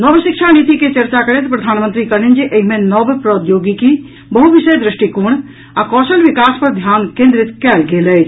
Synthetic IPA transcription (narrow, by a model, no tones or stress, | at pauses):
nəbʃik̚t͡ʃʰanit̪iket͡ʃəɾt͡ʃakəɾɛt̪pɾəd̪ʱanmənt̪ɾikəɾind͡ʒiʔəɦimenəbpɾəd̪joɡiki | bəɦuʋisəjd̪ɾiʃʈikuɽ̃ | akɔsəlʋikaspəɾd̪ʱjankẽnd̪ɾit̪kɛlɡelət͡ʃʰ